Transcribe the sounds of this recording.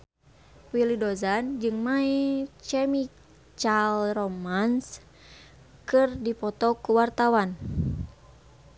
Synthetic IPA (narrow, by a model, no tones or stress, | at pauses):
wilidɔzand͡ʒɨŋmait͡ʃɛmi | t͡ʃalrɔmans | kɨrdipɔt̪ɔkuwart̪awan